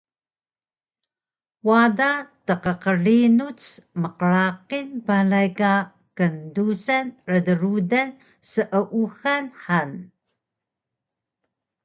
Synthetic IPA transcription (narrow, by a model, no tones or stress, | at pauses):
wadatəqəqərinut͡sməqəɾaqinpaɮajka | kəndusanrədəɾuda | səʔəʔuxanħan